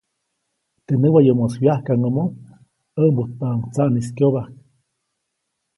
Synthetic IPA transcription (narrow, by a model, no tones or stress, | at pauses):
t̪enəwajomoswiahkaŋomo | əmbut̪paŋt͡saʔniskjoβahk